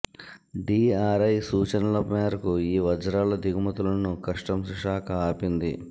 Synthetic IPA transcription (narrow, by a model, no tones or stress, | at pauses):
ɖiːaːɾɐjsuːt͡ʃɐnɐlɐpmeːɾɐkuiːʋɐd͡ʒɐɾaːlɐd̪iɡumɐt̪ulɐnukɐʂʈɐmsiʂaːkɐaːpind̪ḭ